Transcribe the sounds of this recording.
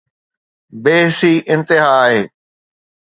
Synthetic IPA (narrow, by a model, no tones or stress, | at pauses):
beːɦsiːʔɪ̃nt̪ɪɦaːɦeː